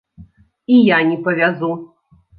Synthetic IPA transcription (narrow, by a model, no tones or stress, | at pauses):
ijanʲipɐvʲazu